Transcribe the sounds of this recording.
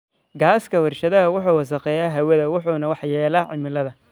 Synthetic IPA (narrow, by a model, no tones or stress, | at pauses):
ɡaːskʰɐwɐrʃɐðɐɦɐwʊħuːwɑs̬ɐqɛːjaːɦɐwɐðɐwʊħuːnɐwɑħjɛːlɐːʕɪmɪlɐðɐ